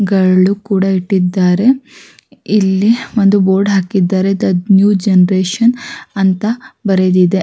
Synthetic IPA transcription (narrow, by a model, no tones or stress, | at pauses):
ɡɐɭɭukuːɽɐiʈːid̪ːaːɾe̞ | ilːiʋond̪uboːɾɖɦaːkid̪ːaːɾed̪ɐnjuːd͡ʒenɐɾeːʃɐnɐnt̪ɐbɐɾed̪id̪e̞